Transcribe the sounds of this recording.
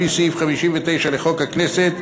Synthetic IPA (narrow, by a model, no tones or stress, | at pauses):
isifχamiʃimvet̪ejʃaleχokhakneset̪